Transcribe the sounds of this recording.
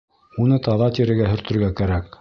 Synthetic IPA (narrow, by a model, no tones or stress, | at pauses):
unɤt̪ɑðɑt̪iɾɘ̆ɡæɦɵ̆ɾt̪ɵ̆ɾɡækæɾæk